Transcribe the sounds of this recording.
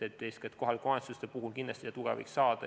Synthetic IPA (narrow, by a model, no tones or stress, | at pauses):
et̪ːesket̪ko̞ɦɑlkoɑnt̪sust̪epuɦukind̪lɑsʲt̪isɑt̪uɡ̥ɑ̰vḭksɑːd̪̥ɑ̰